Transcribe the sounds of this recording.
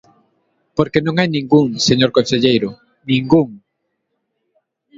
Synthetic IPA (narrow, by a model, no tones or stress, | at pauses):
poɾkenõŋajnĩŋɡuŋseɲoɾkõnseʎejɾʊ | nĩŋɡuŋ